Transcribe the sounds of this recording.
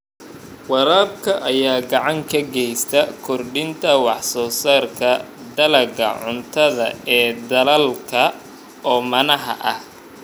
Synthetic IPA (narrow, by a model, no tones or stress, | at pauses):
wɑɾaːbkʰɐʔɐjaːɡɑʕɑŋkʰɐɡɛjst̪ʰɐkʰɔrɖɪnt̪ʰɐwɑħsɔːsarkʰɐd̪ɐlɐɡɐ̰ʕʊnt̪ʰɐðɐ̰ɛːd̪ɐlɐlkʰɐ | ɔːmɐnɐɦɐ̰ʔɐh